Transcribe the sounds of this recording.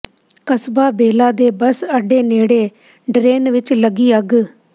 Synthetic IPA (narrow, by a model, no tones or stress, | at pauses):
kəsbaːbeːlaːd̪eːbəsəɖeːneːɽeː | ɖɾeːnʋɪt͡ʃləɡiːəɡ